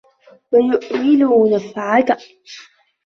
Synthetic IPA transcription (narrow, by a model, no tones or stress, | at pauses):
wajʊʔmɪnʊwanafaʕaka